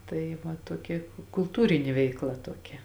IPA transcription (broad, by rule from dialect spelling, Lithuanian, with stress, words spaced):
ˈtɐɪ ˈʋɐ tuɔˈkʲɛ kʊlˠˈtuːrʲɪnʲeː ˈʋʲɛɪkˌlˠɐ tuɔˈkʲɛ